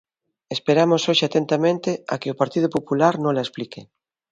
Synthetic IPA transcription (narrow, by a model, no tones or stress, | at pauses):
espeɾamosoʃeat̪ent̪amẽnt̪ea̰keopaɾt̪iðopopulaɾnõŋlaesplike